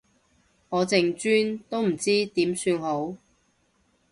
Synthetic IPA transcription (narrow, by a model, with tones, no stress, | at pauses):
ŋɔː˨˧t͡sɪ˧ŋt͡ʃyː˥nt̪o˥wm̩˨˩t͡siː˥t̪iː˨˥msyː˧nho˨˥w